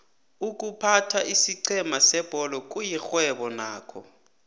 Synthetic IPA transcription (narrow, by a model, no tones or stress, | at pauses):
uk̬ʼupʰatʰaʔisiǀʰɛmasɛb̥ʱɔlɔk̬ʼujixwɛɓɔnaːkʰɔ